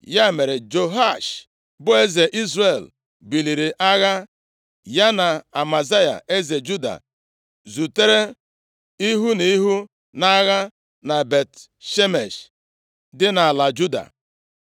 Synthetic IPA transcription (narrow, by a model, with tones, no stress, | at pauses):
ja˦˨me˨ɾe˨d͡ʒo˨ɦa˦˨ʃ | bʊ˦e˦ze˨ʔi˦zɾe˨l | bi˨li˨ɾi˨ʔa˦ɣa˦ | ja˦na˨a˨ma˨za˦ja̰˨e˦ze˨d͡ʒu˦da̰˨ | zu˨te˦ɾe˦ | i˦ɦu˦ni˦ɦu˦ | na˦ɣa˦ | na˨be˨t | ʃe˦me˨ʃ | dɪ˦na˨a˨la˨d͡ʒu˦da̰˨